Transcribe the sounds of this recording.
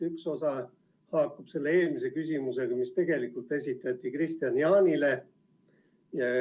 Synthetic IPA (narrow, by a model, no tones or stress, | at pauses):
ykso̞sɑ | hɑːkːub̥se̞lːee̞ːlmis̬e̞kysʲimuse̞ɡ̥ɑmist̪e̞ɡ̥e̞likult̪e̞sʲit̪ːˑɑt̪ːˑikrist̪iɑniɑːnʲile̞ | jɑ